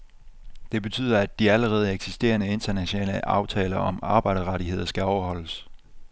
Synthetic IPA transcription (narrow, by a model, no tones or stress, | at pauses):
d̥e̝b̥e̝t͡sʰy̰ːð̰ˠɐæd̥ːiæləʁɛːð̞̩ˠeɡ̥sisd̥e̝̰ːɐnəe̝nt͡sɐnæɕonɛ̰ːləʔɑ̈ʊt͡sʰɛːlɐʔɒ̽mɑ̈ːb̥ɑ̈ɪ̰ɾ̥ɐʁɑɾiɦe̝ð̰ˠɐsɡ̥æɒʊɐɦɒ̽l̰əs